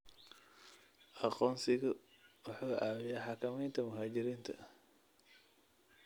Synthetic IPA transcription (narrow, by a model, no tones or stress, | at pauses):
ʔɐqɔːnsɪɣɐ | wɑħuːʔaːwɪjaːħɑkʰɐmɛjnt̪ʰɐmʊɦaːd͡ʒɪɾiːnt̪ʰɐ̰